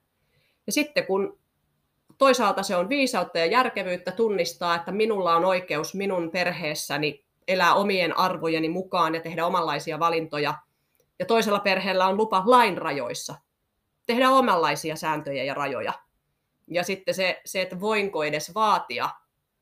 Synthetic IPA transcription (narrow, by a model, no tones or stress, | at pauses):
jɑsit̪ːekun | t̪oisɑːlt̪ɑseonʋiːsɑut̪ːæjɑjærkeʋyːt̪ːæt̪unːist̪ɑːet̪ːæminulːɑonoikeusminunperheːsːæni | elæːomienʔɑrʋojenimukɑːnjɑt̪ehdæomɑlːɑisiɑʋɑlint̪ojɑ | jɑt̪oiselːɑperheːlːæonlupɑʋlɑinrɑjo̰isːɑ | t̪ehdæomɑlːɑisiɑsæːnt̪øjæ̰jɑrɑjo̰jɑ̰ | jɑsit̪ːeseseet̪ːʋoiŋkoedesʋɑːt̪iɑ̰